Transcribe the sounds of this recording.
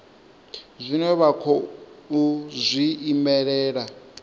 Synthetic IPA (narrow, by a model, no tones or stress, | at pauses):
zʷinɛβakʰɔuzʷiːmɛɺɛːɺa